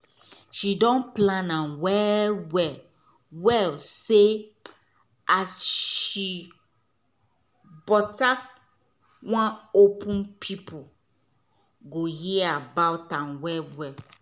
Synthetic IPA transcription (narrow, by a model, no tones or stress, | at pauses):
ʃidɔ̃nplãnãnwɛwɛ | wɛlse | asʃi | bɔta | wãnopʰũnpʰipʰu | ɡojiabawtãnwɛwɛl